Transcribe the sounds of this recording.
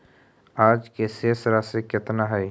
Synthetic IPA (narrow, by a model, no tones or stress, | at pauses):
aːd͡ʒkeseːsɾasekɪt̪naɦɛː